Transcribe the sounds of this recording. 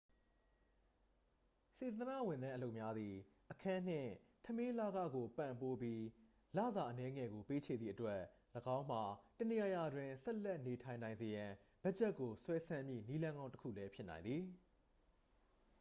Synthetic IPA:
se˨t̪t̪ənä̰˦˨wɪ̃˨nd̪ã˦ʔəlo˦ʊʔmja˦d̪ði˨ʔəkʰã˦n̥ɪ̰̃˦˨tʰə˨mɪ̃˦la˦˨ɡä̰˦˨ɡo˨pã̰˦˨mpo˦pji˦ | lä̰˦˨za˨ʔənɛ˦ŋɛ˨ɡo˨pe˦t͡ɕʰe˨d̪ðḭ˦˨ʔətwɛ˦ləɡã˦ʊ̃m̥a˨təne˨ja˨ja˨dwɪ̃˨sɛ˦ʔlɛ˦ʔne˨tʰã˨ɪ̃nã˨ɪ̃nze˨jã˨b̥ɛ˦ʔt͡ɕɛ˦kːo˨swɛ˦sã˦mjḭ˦˨ni˦lã˦ŋɡã˦ʊ̃təkʰṵ˦˨lɛ˦pʰjɪ˦ʔnã˨ɪ̃nd̪ði˨

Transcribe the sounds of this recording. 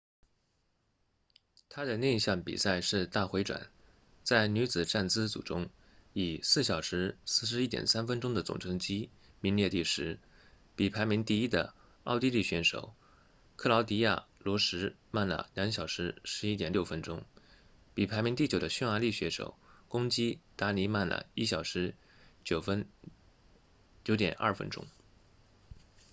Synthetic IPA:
t̪ʰa˥d̪ə˨njɛ˥˧ŋɕjɑ˥˩ŋpḭ˨˩sa˥˧ɪʂɻ̩˥˧t̪a˥˩xwe˧˥ɪʈ͡ʂwa̰˨˩˦n | t͡sa˥˩ɪny˧˥t͡sɹ̩˨˩ʈ͡ʂa˥˩nt͡sɹ̩˥t͡sṵ˨˩ʈ͡ʂʊ˥ŋ | i˨˩sɹ̩˥˩ɕ̬jɑ˨˩ʊʂɻ̩˧˥sɹ̩˥˩ʂɻ̩˧˥i˥t̪jɛ̰˨˩nsa˥nfə˥nʈ͡ʂʊ˥ŋd̪ə˨t͡sʊ̰˨˩ŋʈ͡ʂʰɤ˧˥ŋt͡ɕi˥ | mi˧˥nljɛ˥˧t̪i˥˩ʂɻ̩˧˥ | pi˨˩pʰa˧˥ɪmi˧˥ŋt̪i˥˧i˥d̪ə̰˧ | ɑ˥˧ʊt̪i˥˧li˥˩ɕɥɛ˧˥nʂo̰˨˩˦ʊ | kʰɤ˥˩lɑ˧˥ʊt̪i˧˥ja̰˥˩lwɔ˧˥ʂɻ̩˧˥ | ma˥˩nlə̰˩nja˧˥ŋɕjɑ˨˩ʊʂɻ̩˧˥ʂɻ̩˧˥i˥t̪jɛ˨˩nljʊfə˥nʈ͡ʂʊ˥ŋ | pi˨˩pʰa˧˥ɪmi˧˥ŋt̪i˥˩t͡ɕjo˨˩ʊd̪ə˦ɕɛ˥na˧˥li˥˩ɕɥɛ˧˥ʂo̰˨˩˦ʊkʊ˥ŋt͡ɕi˥t̪a˧˥ni˧˥ma˥˩nlə̰˨˩i˥ɕjɑ˨˩ʊʂɻ̩˧˥ | t͡ɕjo˨˩ʊfə˥n | t͡ɕjo˧˥ʊt̪jɛ˨˩nʔɐ̰˞˥˩fə̰˥nʈ͡ʂʊ̰˥ŋ

